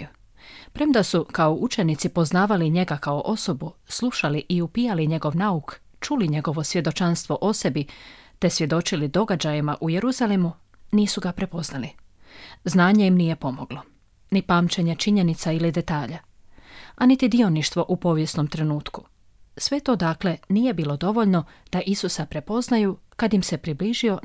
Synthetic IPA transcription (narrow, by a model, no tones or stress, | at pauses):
pɾemd̪asukaoʔut͡ʃe̞nit̪sipo̞znaːʋaliɲe̞ɡakaoʔo̞so̞buslˠuʃaliʔiupijaliɲe̞ɡo̞ʋnauk | t͡ʃuliɲe̞ɡo̞ʋo̞sje̞d̪o̞t͡ʃanst̪ʋo̞ʔo̞se̞bit̪e̞sʋje̞d̪o̞t͡ʃilid̪o̞ɡad͡ʑajimaʔuje̞ɾuzalemu | niːsuɡapɾe̞po̞znali | znaːɲe̞jimnije̞po̞mo̞ɡ̥lo̞ | nipaːmt͡ʃeɲe̞t͡ʃiɲenit̪sailid̪e̞t̪aːʎa | anit̪id̪io̞niʃt̪ʋo̞ʔupo̞ːʋje̞sno̞mt̪ɾe̞nuːt̪ku̥ | sʋe̞t̪o̞ːd̪aːkle̞niːje̞biːlˠo̞d̪o̞ʋo̞ʎno̞d̪̥aʔisusapɾe̞po̞znajukad̪jimse̞pɾibliʒio̞